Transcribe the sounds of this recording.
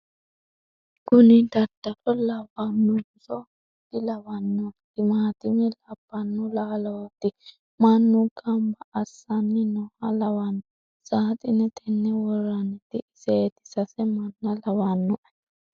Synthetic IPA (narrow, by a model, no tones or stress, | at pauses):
ɡʊnɪd̪ɐd̪ːɐɾɔlɐwanːʊ | sɔ | d̪ɪlɐwɐnːɔt̪ɪmaːt̪ɪnɛlɐbːɐnːʊlaːlɐwɐt̪ːɪ | mɐnːʊkʼɐmbɐʔːsːanːɪnɔhɐlɐwanːɔ | saːt̪ʼɪnɛt̪ʰɛnːɛwɔranɛt̪ːɪʔɪseːt̪ɪ̥sɐsɛmɐnːɐlɐwanːɔʔɐ